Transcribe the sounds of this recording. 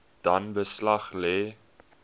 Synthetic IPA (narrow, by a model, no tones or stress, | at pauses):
d̥ɐnbəslɐχlɛː